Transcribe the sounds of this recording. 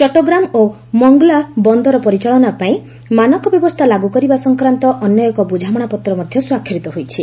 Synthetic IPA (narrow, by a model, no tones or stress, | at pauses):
t͡ʃɔʈoɡɾamo | mɔŋɡɔlabɔnd̪ɔɾɔpɔɾit͡ʃaɭɔnapaĩ | manɔkɔbjɔbɔst̪ʰalaɡukɔɾibasɔŋkɾant̪ɔʔɔnjɔjɔkɔbud͡ʒʱamɔɽ̃apɔt̪ɾɔmɔd̪ʱjɔswakʰjɔɾit̪ɔɦojt͡ʃʰi